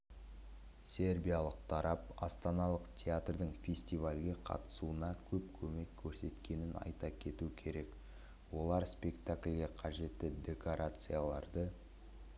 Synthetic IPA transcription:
sʲe̞rbʲijalˠəqt̪ʰɑɾʔɑpɑst̪ɑnɑlˠəqt̪ʲʰeat̪rd̪əɴfʲe̞sʲt̪ivalʲɡʲe̞qʰɑ̰t̪ə̥suənɑkʲʰɵpkʲʰɵme̞kʲʰːɵɾse̞t̪kʲe̞nɪnɑ̰jt̪ɑkʲʰe̞t̪uɪkʲʰe̞ɾe̞k | wo̞lˠɑɾspʲe̞kt̪akʲlʲɡʲe̞qʰɑʒe̞t̪ːɪd̪ʲe̞ko̞ɾʔat̪sɨjalˠɑ̰ɾd̪ə

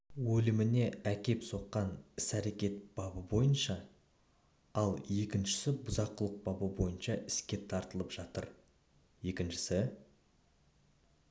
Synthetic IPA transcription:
wɵlɪmɪne̞ækʲe̞pso̞qːɑnɪsæɾe̞kʲe̞t̪̚b̥ɑbəbo̞jənʃɑ | ɑlˠje̞kʲɪnʃɪ̥sɪbʊzɑqːʊlˠəq̚bɑbəbo̞jənʃɑʔɪskʲe̞t̪ʰɑɾt̪əlˠəpʒ̥ɑt̪ə̰ɾ | je̞kʲɪnʃɪ̥sɪ

